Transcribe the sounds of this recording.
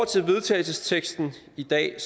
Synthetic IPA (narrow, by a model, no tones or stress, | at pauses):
t͡sʰe̝lʋe̝ð̞ˠt͡sʰɛ̰ːɪlsəst͡sʰeɡ̥sd̥n̩ | id̥ɛ̰ːs